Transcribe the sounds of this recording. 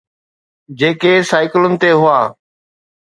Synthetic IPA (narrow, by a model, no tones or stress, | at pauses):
d͡ʑeːkeːsaːɪkɪlənɪ̆t̪eɦʊaː